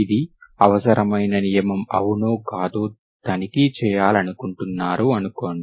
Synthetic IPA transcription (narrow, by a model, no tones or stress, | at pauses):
id̪iɐʋɐsɐɾɐmɐjnɐnijɐmɐmɐ̰ʋunoːkaːd̪oː | d̪ɐnikit͡ʃɛːjaːlɐnukuɳʈunːaːɾuɐnuko̞ːɳɖi